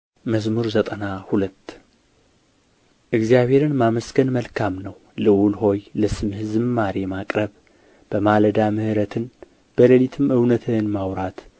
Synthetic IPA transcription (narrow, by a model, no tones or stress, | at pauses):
məzmuɾzət̪ʼənahulət̪ː | ʔɨɡzijaβe̞ɾɨnmaməsɡənməlkʰamnəw | lɨwulɦo̞jləsɨmhɨzɨmmaɾemakʼɾəβ | b̥əmaləd̪amɨhɨɾət̪ʰɨn | b̥ələlit̪ʰɨmʔɨwnət̪ʰɨnmawɾat̪